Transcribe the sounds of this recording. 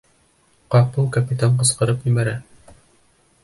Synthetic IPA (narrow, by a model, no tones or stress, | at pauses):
qɑpɤlˠkapʲit̪aɴqɤ̆sqɤ̆ɾɤpjɵ̆mæɾæ